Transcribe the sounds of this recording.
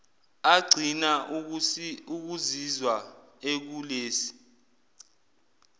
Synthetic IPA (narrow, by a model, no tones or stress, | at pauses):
aɡ͡ǀʱina | uk̬uzizwa | ek̬uleːsi̥